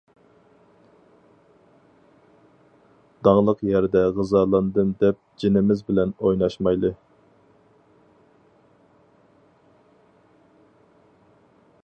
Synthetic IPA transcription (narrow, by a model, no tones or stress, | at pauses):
d̪̥ɑŋlˠəqjæɾd̪ɛʁɨzɑːlˠɑnd̪ɨmd̪ɛp̚d͡ʒinɪmɪzbɪlɛnojnɑʃmɑjlˠɨ